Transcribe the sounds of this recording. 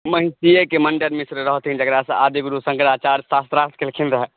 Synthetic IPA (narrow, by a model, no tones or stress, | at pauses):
məɦĩt̪iekeməɳɖəɾmisɾɾəɦɔt̪ʰĩnd͡ʒəɡɾasɐ̃ad̪iɡuɾusə̃ŋkɾaːt͡ʃaːɾsaːst̪ɾast̪ʰkelkʰĩnd̪ɾəɦɛ